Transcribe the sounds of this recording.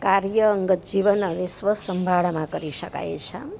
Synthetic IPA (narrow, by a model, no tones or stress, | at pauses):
kaɾjəːŋɡət̪̚d͡ʒiʋənənesʋəsəmbʱaɭmãkəɾiʃəka̰jt͡ʃʰə